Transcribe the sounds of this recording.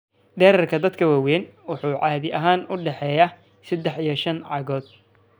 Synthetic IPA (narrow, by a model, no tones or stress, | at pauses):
d̪ɛːɾɐrkʰɐd̪ɐd̪kʰɐwaːwɛːnwʊħuːʕɑːðɪʔɐɦaːnʊɖɛħɛːja | sɛd̪ɛħijɞʃɐnʕɑɣɔːd̪